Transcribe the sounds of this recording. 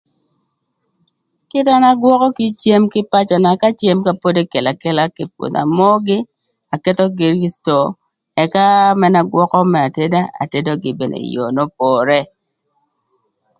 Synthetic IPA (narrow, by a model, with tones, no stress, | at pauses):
kɪ˦ta˦na˦ɡwɔ˦kɔ˦ki˦t͡ʃje˦mkɪ˦pa˦t͡ʃa˨na˨ka˦t͡ʃje˦mka˦po˦de˦ke˨la˨ke˦la˦ki˨p̚wo̰˨t̪a̰˨mɔ˦ɡɪ˦ | a˨kɛ˦t̪ɔ˦ɡi˨ɾi˦sto˨ | ɛ˨ka˦mɛ˦na˦ɡwɔ˦kɔ˦mɛ˨a˨te˦da˦a̰˨te˦do˦ɡɪ̰˨be˨nḛ˨jo̰˨no˦p̚ɔ˨ɾɛ˦